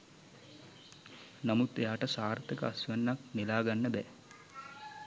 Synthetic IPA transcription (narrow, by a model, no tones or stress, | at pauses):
namut̪eaːʈəsaːɾt̪ekəasujanːak̚nelaːɡanːəbɛ